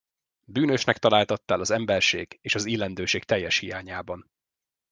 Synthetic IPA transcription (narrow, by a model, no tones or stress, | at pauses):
byːnø̞ʃnɛkt̪ɒlaːlt̪ɒt̪ːaːlɒzɛmbɛrʃeːɡeːʃɒzilːɛnd̪øːʃeːk̚t̪ɛjːɛʃhijaːɲaːbɒn